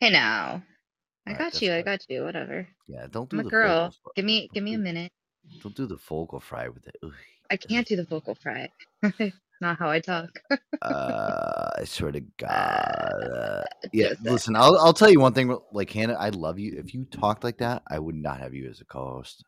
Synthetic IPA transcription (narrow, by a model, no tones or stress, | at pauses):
heɪno̰ʊ | aɪɡɑtɨaɪɡɑt͡ʃʰɨwʌɾɛ̰və̰˞ | jæ̰d̥õʊ̃nd̥mðəɡɜ˞lˠɡ̥ɪvmiɡ̥ɪvmiɨmɪ̃ñɨt̚ | d̥õʊ̃nd̥ɨðəfoʊkl̩ˠfɹa̰ɪwɨðɨ̰t̚u | aɪkʰæ̃nd̥ɨðɨfoʊkl̩ˠfɹa̰ɪ | nət̚ɦaʊaɪtʰɔkʔʌ | a̰ɪsɔɹɾɨɡ̥ɑ̰ | jælɪsə̃naɪlˠaɪlˠtʰɛlˠjɨwʌ̃nθɪ̃ŋwlaɪkʰæ̃na̰ɪlʌvjɨʔɪ̰fjɨtʰɔk̚tlaɪk̚ðæta̰ɪwədⁿnə̰t̚hɨ̰vjɨ̰ɨ̰zɨkʰo̰ʊst̚